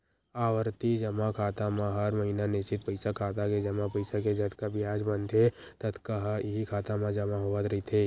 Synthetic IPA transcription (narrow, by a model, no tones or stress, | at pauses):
aːwəɾt̪id͡ʒɐmakʰaːt̪amãɦəɾməɦinanɪst͡ʃɪt̪̚pəɪsakʰaːt̪aked͡ʒɐmãpəɪsaked͡ʒɐd̪kabʱiaːd͡ʒbənd̪e | t̪ət̪kaɦɦikʰaːt̪amãd͡ʒɐmaɦoʋət̪ɾɐit̪ʰeː